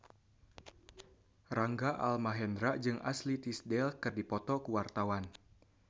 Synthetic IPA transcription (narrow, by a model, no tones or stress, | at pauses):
raŋɡaʔa̰lmaɦɛndɾaʔd͡ʒɨŋʔa̰slit̪isdɛlkɨrdipɔt̪ɔkuwart̪awan